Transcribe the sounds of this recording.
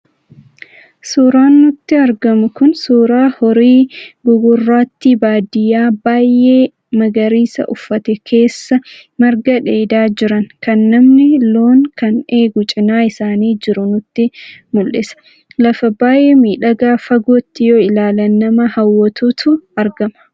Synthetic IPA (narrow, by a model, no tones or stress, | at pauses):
suːɾaːnːʊt̪ːɪɐɾɡɐmʊkʊnsuːɾaːhɔɾiːɡʊɡʊrːaːt̪ːɪbaːd̪ɪjaːbaːjʔeː | mɐɡɐɾiːsɐ̰ʔʊfːɐt̪ɛkʰe̞ːsːɐmɐɾɡɐᶑe̞ːd̪aːd͡ʒɪɾɐŋkɐnːɐmnɪlo̞ːŋkɐne̞ːɡʊt͡ʃʼɪnaːɪsaːniːd͡ʒɪɾʊnʊt̪ːɪmʊlʔɪsɐ̥ | lɐfɐbaːjʔemiːᶑɐɡaːfɐɡoːt̪ːɪjoːɪlaːlɐnːɐmɐhɐwːɐt̪ut̪ʊɐɾɡɐmɐ̥